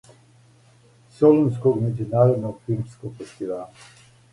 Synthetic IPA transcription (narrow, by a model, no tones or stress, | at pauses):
sɔlɔnskomed͡ʒunaɾɔd̪nɔkiskofesʲt̪ival